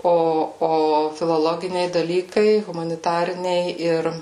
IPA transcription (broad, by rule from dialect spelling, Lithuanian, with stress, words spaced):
ˈoː ˈoː fʲɪlˠoːˈlˠoːɡʲɪnʲɛɪ dɐˈlʲiːkɐɪ ɣʊmɐnʲɪˈtɑːrʲɪnʲɛɪ ˈɪr